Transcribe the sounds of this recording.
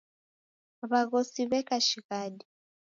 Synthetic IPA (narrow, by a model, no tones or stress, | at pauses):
βaɣosiβɛkaʃiɣadi